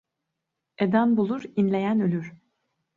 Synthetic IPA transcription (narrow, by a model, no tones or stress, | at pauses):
ed̪ænbulˠuɾinlʲe̞jænølʲyɾ̥